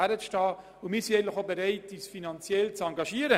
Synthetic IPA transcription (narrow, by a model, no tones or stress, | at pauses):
æɾət͡sʃtɑː | ʊmiːsinɛɪɡn̩tlɪxobɛɾɛɪtiːsfinɑnt͡sjɛlt͡sɑŋɡɑʃiəɾə